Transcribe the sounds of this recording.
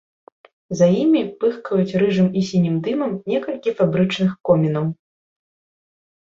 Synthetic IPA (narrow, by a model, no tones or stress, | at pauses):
zajimʲipɨxkɐjut͡sʲɾɨʐɨmisʲinʲimd̪ɨmɐmnʲɛkɐlʲkʲifabɾɨt͡ʂnɨxkɔmʲinɐw